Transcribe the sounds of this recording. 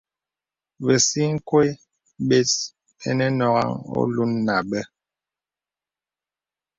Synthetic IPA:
bə˨si˦ŋ̩˦kwe˦ | ɓe˦s | ḛ˦nɛ˦nɔ˨ɣa̰˦ŋo̰˦lu˦nːa˨ɓɛ˦

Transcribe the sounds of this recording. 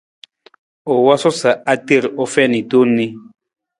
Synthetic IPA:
o˨wa˦so˦sa˨a˦te˦˨ɾo˦fɛ˦˨ni˨to˦nːi˦

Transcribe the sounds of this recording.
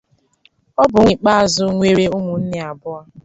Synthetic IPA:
ɔ˦bʊ˨ŋʷi˨k͡pa˦a˨zʊ˦ŋʷe˦ɾe˦ʊ˦mʊ˨n̩˦nɪ˨a˨bʊ˦a˦

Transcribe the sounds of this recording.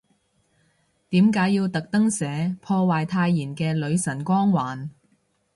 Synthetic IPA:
t̪iː˨˥mkaː˨˥jiː˧wt̪ɐ˨k̚t̪ɐ˥ŋsɛː˨˧˥pʰɔː˧waː˨jt̪ʰaː˧jːiː˨˩nkɛː˧lɵ˨˧ɥsɐ˨˩nkʷɔː˥ŋwaː˨˩n

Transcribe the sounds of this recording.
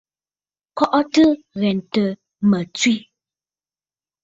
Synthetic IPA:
kɔ˦ʔɔ˦tɨ˦ | ɣɛ˨ntə˨ | mə˨t͡swi˦˨

